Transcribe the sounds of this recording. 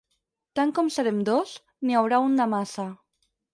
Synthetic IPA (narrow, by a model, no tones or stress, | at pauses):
t̪aŋkɔmsaɾemd̪ɔs | niawɾaund̪amasa